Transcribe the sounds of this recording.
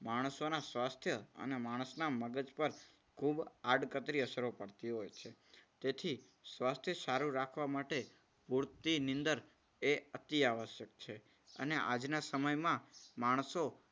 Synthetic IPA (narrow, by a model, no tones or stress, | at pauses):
maɽ̃sonasʋast̪ʰjəə̰nemaɽ̃əsnaməɡəd͡ʒpəɾ | kʰubaɖkət̪ɾiəsəɾopəɽt̪iɦojt͡ʃʰet̪et̪ʰi | sʋast̪ʰjəsaɾuɾakʰʋamaʈe | buɾt̪inɪ̃nd̪əɾ | eət̪iaʋəʃjək̚t͡ʃʰe | ə̰neʔa̰d͡ʒnasəməjmãmaɽ̃so